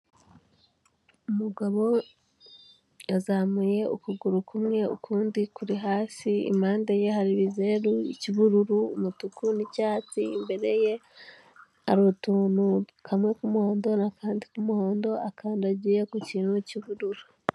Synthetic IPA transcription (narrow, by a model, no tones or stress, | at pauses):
umuɡaβo̞ | azaːmuje̞ukuɡuɾukʰumŋe̞ṵkʰuːndikuɾiɦaːsiḭmaːndeje̞ɦaɾiβizeɾuiciβuɾuɾuːmutukunicaːt͡siːmbe̞ɾe̞je̞ | aɾutuːnu | kʰamŋe̞kumuho̞ːndo̞nakaːndikumuho̞ːndo̞akʰaːndaɟijekuciːnhuciβuɾuɾu